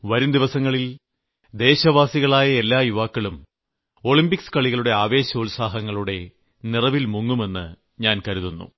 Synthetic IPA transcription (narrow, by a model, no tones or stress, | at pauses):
ʋɐɾumd̪iʋɐsɐŋːɐɭil | d̪e̞ːɕɐʋaːsiɣɐɭaːjɐe̞lːaːjuʋaːkːɐɭum | o̞ɭimbikskɐɭiɣɐɭuɽe̞aːʋe̞ːɕɐulsaːɦɐŋːɐɭuɽe̞ | nirɐʋilmuŋːume̞nːɨ̰ | ɲaːnkɐɾuðunːṵ